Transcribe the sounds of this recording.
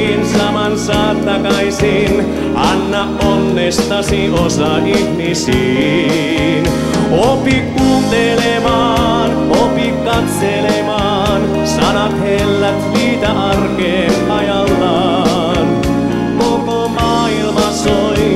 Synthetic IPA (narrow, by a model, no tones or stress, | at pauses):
nsɑmɑnsɑːt̪ːɑkɑisiːn | ɑnːɑʔʔonːest̪ɑsiʔosɑʔihmisiː | n | opikkuːt̪elemɑː | n | opikkːɑt̪selemɑː | n | sɑnɑt̪helːæt̪ʋiːt̪æʔɑrkeːnʔɑjɑlːɑː | n | kokomɑːilmɑso